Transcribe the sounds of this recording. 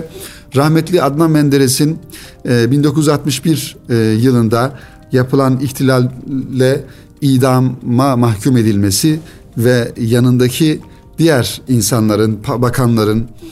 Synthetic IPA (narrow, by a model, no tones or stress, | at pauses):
ɾahmɛt̪lʲiad̪mammːɛnd̪eɾesin | bind̪o̞kʰuzyzat̪mɯʃbiɾjɯlˠɯnd̪a | japʰɯlˠaniçt̪ʰilʲalʲːɛ | iːd̪amːamaxcʰume̞d̪ilʲmesi | vɛjanɯnd̪acʰi | d̪̥ijæɾinsanlˠaɾɯnpʰbakʰanlˠaɾɯn